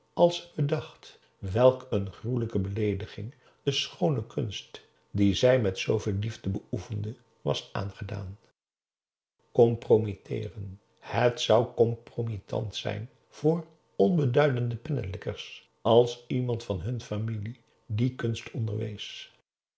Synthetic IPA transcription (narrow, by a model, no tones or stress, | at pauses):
ɑlˠsɪ̥ɡ̚bədɑχt | ʋɛlˠkənχruləkəbəlejdəχɪŋ | d̥əsχownəkɵnst | dizɛjmɛtsowvɪːlˠlivdəbəufəndə | ʋɑ̰sʔa̰ːnχəda̰ːn | kɔmpromitʰɪ̰ːrən | hətsʌwkɔmpromitʰɑ̰ntsɛ̰jn | v̥ʊːr | ɔnbədœɥdəndəpɛnə̰lɪkəɹs | ʔɑlˠsimɑntfɑnɦɵnfamili | dikɵnstʰɔndəɹʋḛjs